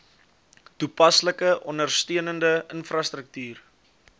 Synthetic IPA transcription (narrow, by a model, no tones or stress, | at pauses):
tupɐsləkəʔɔndərstøənəndəənfrɐstrək̚tyːr